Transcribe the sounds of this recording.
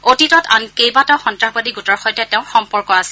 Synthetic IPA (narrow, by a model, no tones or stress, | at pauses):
otitɔta̰nkejbataxɔntɹaxbadiɡutɔɹxɔjtɛtɛʊ̃xɔmpɔɹkɔasi